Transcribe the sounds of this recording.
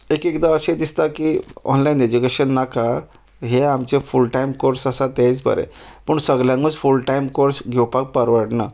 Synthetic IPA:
ekekd̪aəɕed̪ist̪akiɔ̰nlained͡ʑukeɕənːaka | ɦeamt͡ɕefulʈajmkoɾsəsat̪jãit͡sbə̰ɾɛ̰pəɳsəɡljãŋɡət͡sfulʈajmkoɾsɡʱewpak̚pəɾʋəɾʈna̰

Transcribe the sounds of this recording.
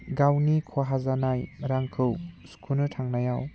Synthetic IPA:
ɡawnikʰaɦazanajɾaŋkʰɯwskʰunɯtʰaŋnajaw

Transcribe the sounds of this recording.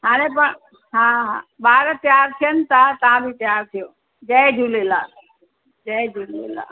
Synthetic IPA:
ɦãːnepəɳ | ɦãɦã̰baːɾt̪jaːɾt̪ʰijənɪt̪at̪ãbʱit̪jaːɾt̪ʰijoː | d͡ʒɛed͡ʒʱuːleːlaː | d͡ʒəd͡ʒuːlḛːla̰

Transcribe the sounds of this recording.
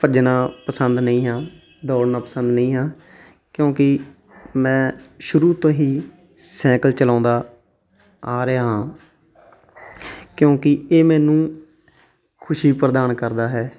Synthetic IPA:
pəd͡ʒnaːpəsənd̪nəĩːɦãː | d̪ɔːɽnaːpəsənd̪nəĩːɦãː | kjõːkɪ | mɛ̃ːʃʊɾuːt̪õːɦiː | sɛ̃ːkəlt͡ʃəlãːnd̪aː | aːɾeaːɦãː | kjõːkɪeːmɛ̃ːnũː | kʰʊʃiːpɾəd̪aːnkəɾd̪aːɦɛː

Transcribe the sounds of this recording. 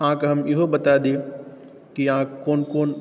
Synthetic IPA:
ãːkɦɐmɪɦobɐt̪ad̪e | kiãːkoːnkoːn

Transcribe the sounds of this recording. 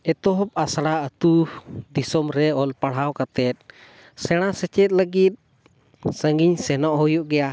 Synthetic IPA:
ɛt̪ɔɦɔp̚asaɽaət̪ud̪isɔmɾɛɔlpaɽɦawkat̪ɛt̪̚ˀ | sɛɽ̃asɛt͡ʃɛt̪̚ˀləɡit̪̚ | səŋɡiɲsɛnɔʔhɔjɔʔɡɛja

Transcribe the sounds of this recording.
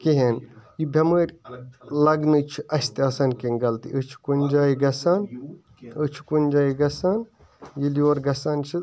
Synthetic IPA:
kiɦenjibʱʲɐməɾʲlɐɡnɨt͡ʃʰiʔɐsʲt̪eɐsɐnkiŋɡɐlt̪ḭʔət͡ʃʰi̥kunʲd͡ʒaːiɡɐsan | ɨt͡ʃʰi̥kunʲd͡ʒaːiɡɐsan | jilioːɾɡɐsant͡ʃʰi

